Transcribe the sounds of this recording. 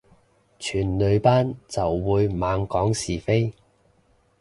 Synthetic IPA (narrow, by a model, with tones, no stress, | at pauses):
t͡ʃʰyː˨˩nlɵ˨˧ɥpaː˥nt͡sɐ˨wːuː˨˧jmaː˨˧ŋkɔː˨˥ŋsiː˨˩fe˥j